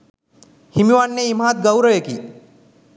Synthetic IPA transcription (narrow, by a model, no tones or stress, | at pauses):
hɪmiʋaːnːeim̤ãːt̪̚ɡɐwɾəʋekḭː